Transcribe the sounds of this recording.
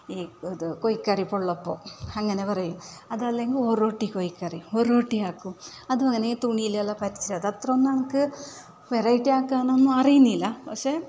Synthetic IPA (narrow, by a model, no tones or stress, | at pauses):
iːoðukojikːɐripoɭːɐpːo̞ːɐŋːɐne̞pɐrɐjumɐðɐlːeŋɡiloɾoːʈːikojikːɐrioɾoːʈːiaːkːu | ɐðuɐŋːɐneit̪uɳiilːɐlːɐpɐɾit͡ɕːiɾaðɐt̪rɐnːɐɳɐkːɨ | ʋerɐjʈːiaːkːaːɳonːuɐrijunːilːɐpɐkʂe